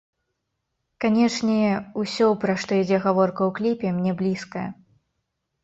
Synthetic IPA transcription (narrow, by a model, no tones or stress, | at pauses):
kanʲɛʂnʲɛusʲɔpɾɐʂt̪ɔid͡zʲɛɣavɔrkɐwklʲipʲɛmnʲɛblʲiskɐjɐ̰